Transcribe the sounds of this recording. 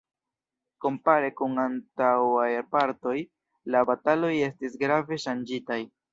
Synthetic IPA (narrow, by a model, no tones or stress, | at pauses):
ko̞mpaɾe̞kuŋantawajɾpaɾto̞j | labatalo̞je̞stisɡɾave̞ʃand͡ʒitaj